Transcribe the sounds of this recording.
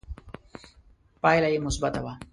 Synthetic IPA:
pajlajemʊsbat̪awa

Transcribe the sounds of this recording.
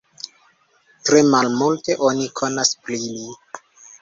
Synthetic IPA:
tɾe̞malmulte̞ʔo̞nikʰo̞nasplili

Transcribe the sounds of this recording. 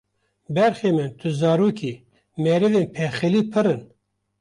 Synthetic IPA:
bɛɾxeːmɨnt̪ʰɨzɑːɾuːkʰiː | mɛɾɨveːnpʰɛxɨliːpʰɨɾɨn

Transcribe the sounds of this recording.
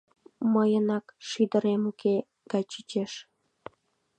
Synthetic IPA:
məjənɑkʃid̪əɾemuke | ɡ̥ɑjt͡ɕit͡ɕeʃ

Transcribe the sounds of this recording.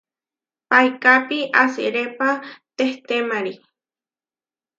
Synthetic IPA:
pajkapiʔasɨ̰ɾepat̪eht̪emaɾi

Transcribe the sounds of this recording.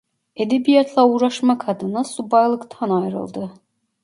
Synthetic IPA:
ed̪ebijat̪ʰlˠauɾaʃmakʰad̪ɯnasubajlˠɯkt̪ʰanajɾɯ̰lˠd̪ɯ

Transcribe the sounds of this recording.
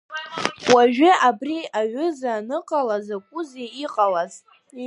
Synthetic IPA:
waʒᶣɪʔabriaɥʷʏzaːnɨqʼalazakʷʼʊzeiqʼalaz

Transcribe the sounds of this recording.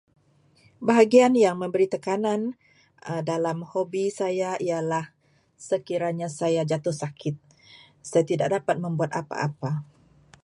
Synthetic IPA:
baɦaɡianjaŋmə̃mbəɾit̪əkanan | ədalamhobisajaijalah | səkiɾaɲasajad͡ʒat̪ʊhsakʰɪt̪̚ | sajat̪idak̚dapat̪̚mə̃mbuat̪a̰pa̰ʔa̰pa

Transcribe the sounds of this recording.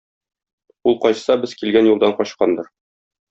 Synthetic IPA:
ulˠqɒɕsɑbɘz̥kilɡænjulˠd̪ɑɴqɒɕqɑnd̪ɤɾ

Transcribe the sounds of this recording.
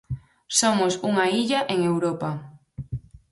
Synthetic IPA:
somosuŋaiʎaʔeŋewɾɔpa

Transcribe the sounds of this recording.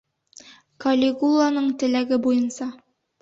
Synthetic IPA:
kɐlʲɪɡulˠːanɤɴt̪ɘ̆læɡɘbujɤnsɑ

